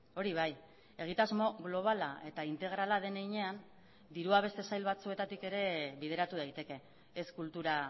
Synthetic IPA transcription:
o̞ɾiβ̞aj | e̞ɣ̞it̪azmo̞ɣlo̞β̞alae̞t̪aint̪e̞ɣ̞ɾalaðe̞neɣiɲe̞an | d̪iɾuaβ̞e̞st̪e̞sajlβat͡sue̞t̪at̪ike̞ɾe̞βið̞e̞ɾat̪uð̞ajt̪e̞ke̞ː | skult̪uɾa

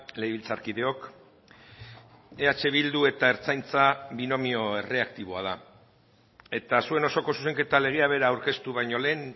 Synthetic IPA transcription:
le̞iβilt͡saɾkiðe̞o̞k | eat͡ʃe̞β̞ild̪ue̞t̪aeɾt͡sajnt͡saβino̞mio̞e̞re̞akt̪iβ̞o̞að̞a | e̞t̪asue̞no̞so̞ko̞suse̞ŋke̞t̪ale̞ɣ̞eaβ̞e̞ɾaːwɾke̞st̪uβajɲo̞le̞ːn

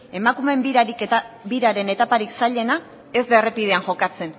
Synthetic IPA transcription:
e̞makume̞mbiɾaɾik̪biɾaɾe̞ne̞t̪apaɾiksaʎe̞na | e̞zderepið̞e̞anʝo̞kat͡se̞n

